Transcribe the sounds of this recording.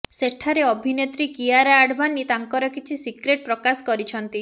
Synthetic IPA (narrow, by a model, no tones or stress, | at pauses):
seʈʰaɾeɔbʱinet̪ɾikiaɾaːɖʱbanːit̪aŋkɔɾɔkit͡ʃʰisikɾeʈ̚pɾɔkaskɔɾit͡ʃʰɔnt̪i